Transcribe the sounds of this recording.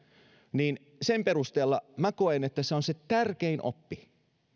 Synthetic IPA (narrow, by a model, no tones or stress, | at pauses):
niːn | sempeɾust̪eːlːɑmæko̞enet̪ːæseonset̪ærk̟einʔo̰pːi